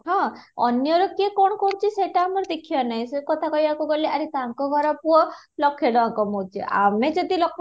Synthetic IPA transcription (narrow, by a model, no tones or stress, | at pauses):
ɦɔ̃ɔnjɔɾɔkekɔɳɔkɔɽ̃ũt͡ʃʰiseʈaːmɔɾɔd̪ekʰijɔnaɦĩsekɔt̪ʰakɔɦibakuɡɔliʔaɾit̪aŋkɔɡʱɔɾɔpuɔlɔkʰeɽɔaŋkɔmɔt͡ʃʰḭʔa̰med͡ʒɔd̪ilɔkʰ